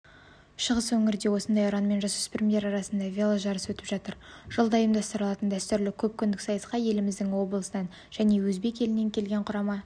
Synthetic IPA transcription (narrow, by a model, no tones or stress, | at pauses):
ʃəʁəswɵŋɪɾd̪e̞wo̞sənd̪ɑjʊɾɑnme̞nʒɑsʏ̥spɪmj̪ʲe̞ɾɑɾɑsənd̪ɑvʲelˠoʒɑɾəswɵt̪ɪ̥pʒ̥ɑt̪əɾʒ̥əlˠd̪ɑjəmd̪ɑst̪əɾəlˠɑt̪ənd̪æst̪ʏɾlɪkʲʰɵp̚kʲʰʏnd̪ɪksɑjəsqɑje̞lɪmɪzd̪ɪŋwo̞blˠəsənɑn | ʒ̥æne̞wɵzbe̞kʲe̞lɪnːe̞ŋkʲʰe̞lɡʲe̞ɴqʰʊɾɑmɑ